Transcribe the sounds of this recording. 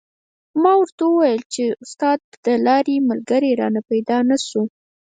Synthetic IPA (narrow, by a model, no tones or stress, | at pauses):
mɑwaɾt̪awəwajəlt͡ʃeʊst̪ɑd̪ːəlɑɾemalɡəɾeɾɑ̰napajd̪ɑnasu